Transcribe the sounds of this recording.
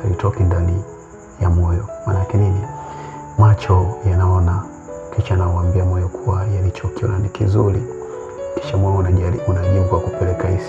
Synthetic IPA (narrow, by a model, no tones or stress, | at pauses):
alitɔkindani | jamɔjɔmaːnakɛnini | mat͡ʃɔjanaɔna | kiʃaːnaɔambiamɔjɔkʰuwajalit͡ʃɔkiɔ̰nanikizuɾi | ki̥ʃamɔjɔunaʄimɡwakupɛlɛkais